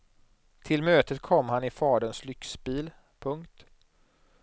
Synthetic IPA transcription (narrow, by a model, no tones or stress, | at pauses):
t̪ʰɪlmøːt̪ət̪kʰɔmːhanɪfɑːɖənslʏksbiːl | pʰɵŋkt̪